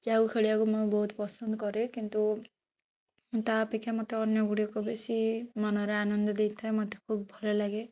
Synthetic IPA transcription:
d͡ʒaukʰeɽiakumojbɔɦut̪pɔsɔnd̪ɔkɔɾekint̪u | t̪apekʰːjamɔt̪ʰeɔnjɔɡuɽiɔkɔbesimanɔɾeanɔnd̪ɔd̪ejt̪ʰaemɔt̪ʰe̥kʰubbʱɔlɔlaɡe

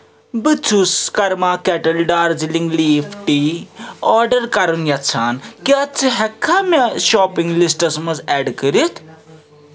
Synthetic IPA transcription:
bɨt͡sʰuskɐɾmaːkɛʈɐlɖaːɾd͡ziliŋɡliːfʰʈiːɔːɾɖɐɾkɐɾunjɐt͡sʰaːnkiɐt͡sʰɨɦɛkʰːamɐʃɔːpiŋɡlisʈɐsmɐzɛːɖkəɾit̪ʰ

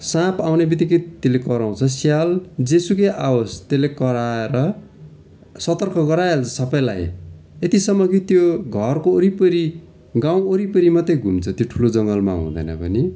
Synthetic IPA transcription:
sãpʰawnebit̪ʌkit̪elekʌɾaw̃t͡sʰʌsjald͡zesukeʔawost̪elekʌɾaeɾʌ | sʌt̪ʌrkʰʌɡʌɾaelt͡sʰʌsʌpʌjlajet̪isʌmːʌɡit̪joɡʱʌrkoːɾipʌɾi | ɡaw̃oɾipʌɾimʌt̪ːejɡʱumt͡sʰʌt̪joʈʰulod͡zʌŋɡʌlma̰ɦṵ̃d̪ʌ̰jnʌ̰pʌ̰ni

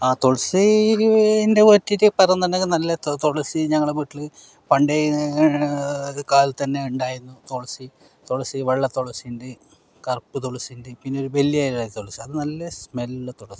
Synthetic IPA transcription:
aːt̪oɭɐsi | inde̞ʋotːiɾɨpɐrɐjunɐnekːɨnɐlːɐt̪oɭɐsiɲɐŋːɐɭeʋiːʈːilɨ | pɐɳɖe | kaːlt̪ɐnːe̞uɳɖaːjɾunːut̪oɭɐsi | t̪oɭɐsiʋeɭːɐt̪oɭɐsijnde | kɐrpːɨt̪̬oɭɐsijindepinːeoɾuʋelːijaːjɾɽaːt̪oɭɐsiɐðɨnɐlːɐsmelːɐt̪oɭɐsi̥

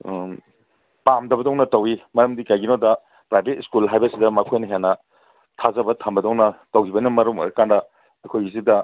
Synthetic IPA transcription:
pamdɐbɐdɔŋnɐtɐwimɐɾɐmdikajɡinodɐ | pɾajbet̚skulɦajbɐsidɐmɐkʰojnɐɦenːɐ | tʰazɐbɐtʰɐmbɐdɔŋnɐtowkʰibɐnimɐɾumɐ̰ɾɐkandɐ | ɐkʰojizidɐ

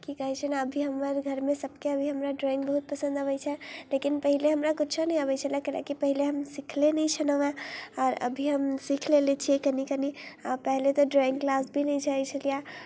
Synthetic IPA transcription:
kikəɦit͡ʃʰənaəbʱiɦəmːəɾɡʱəɾmesəbkeəbʱiɦəmɾaɖɾɔĩŋɡbəɦut̪̚pəsə̃nd̪əbɛt͡ʃʰɛlekinpəɦileɦəmɾakut͡ʃʰɔnɛəβɛt͡ʃʰəlijakəlʔḛkipəɦileɦəmsikʰlenəjt͡ʃʰənəʋɛ̃ɔːɾə̰bʱiɦəmsikʰlelet͡ʃʰiɛkənikəniapəɦlet̪ɔɖɾɔĩŋɡklasbʱinəjt͡ʃʰəɛt͡ʃʰəlija

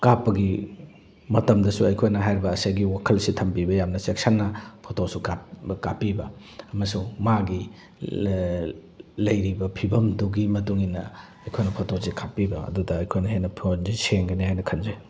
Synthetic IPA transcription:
kapːɐɡi | mɐtɐmdɐsuɐjkʰojnɐɦajɾibɐːsajɡiwakʰɐlsitʰɐmpibɐjamnɐseksanːɐpʰotosukakapːibɐ | ɐmɐsuŋmaɡi | lɐjɾibɐpʰibɐmduɡimɐtuŋinɐ̰ | ɐjkʰojnɐpʰotosikʰapːibɐɐ̰dudɐɐjkʰojnɐɦejnɐpʰionziseŋɡɐnihajnɐkʰɐnzaj

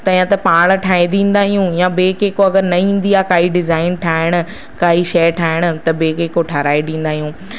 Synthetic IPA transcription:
t̪ɐ̃ɦĩãt̪ɐpaːɽ̃̆ʈʰaːɦĩnd̪ĩːn̆d̪aːɦijũjãbeːkeːkoɐɡəɾnɐĩːn̆d̪iaːkaːɦiɖɪzaːɪnʈʰaːɪɽ̃ʊ̆ | kaːɦiʃɐjʈʰaːɦɪɽ̃ʊ̆t̪ɐbeːkeːkoʈʰɐɾaːedĩːn̆d̪aːɦijũː

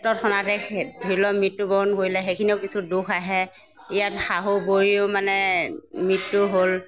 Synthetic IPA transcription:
tɔt̚xʰɔnatɛdʱilɔmitːubɔɹɔnkoɹjlɛxejkʰiniʊkisudukʰaɦɛ | ijatxaɦoboɹiʊmanɛmɹitːʊɦol

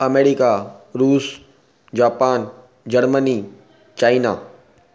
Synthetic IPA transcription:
ɐmeːɾikaɾuːs | d͡ʑaːpaːn | d͡ʑɐɾməni | t͡ɕaːina̰

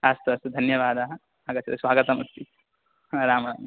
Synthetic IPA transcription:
ast̪ɐst̪ud̪ʱɐnjɐʋaːd̪aːɦɐ | aːɡɐt͡ʃɐt̪ɐsʋaːɡɐt̪ɐmɐst̪i | ɾaːmɐnam

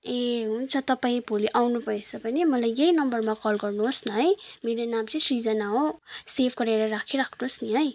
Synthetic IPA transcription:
eɦunt͡sʰʌt̪ʌpaĩbʱoliʔawnupʌet͡sʰʌpʌnimʌlajjejnʌmbʌrmakʌlɡʌrnuɦosnʌɦʌjmeɾonamt͡sʰĩsrid͡zʌnaõsepʰɡʌɾeɾʌɾakʰiɾakʰnusniɦʌj

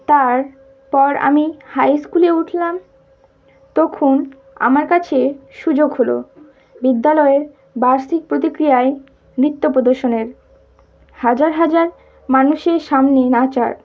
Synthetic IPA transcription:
t̪aɾ | pɔɾa̰mihajskuleuʈʰlam | t̪ɔkʰon | a̰maɾkat͡ɕʰeʃud͡ʑoɡɦolo̰ | bid̪ːalɔeɾ | baɾsik̚pɾot̪ikɾijae | mɾit̪ːopɾod̪oɾʃoneɾ | had͡ʑaɾɦad͡ʑaɾ | manuʃeɾʃamnenat͡ɕa̰ɾ

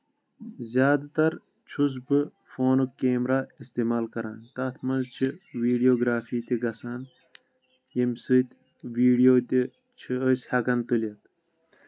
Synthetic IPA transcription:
zjaːd̪t̪ɐɾ | t͡ʃʰus̬bɨ | foːnukeːmɾaːist̪eːmaːlkɐɾãːnt̪aːt̪ʰmɐnzt͡ʃʰiwiːɖijoːɡɾaːfiːt̪iɡɐsaːn | jimsɨt̪ | wiːɖijoːt̪i | t͡ʃʰiəshɐkɐnt̪uljɐt̪

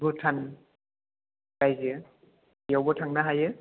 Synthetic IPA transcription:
bɯtʰan | kajze | jawbɔtʰaŋnaɦajɯ

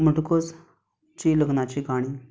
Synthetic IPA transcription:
m̤əʈkod͡z | t͡ɕiːləɡnat͡ɕiːɡaɽ̃i

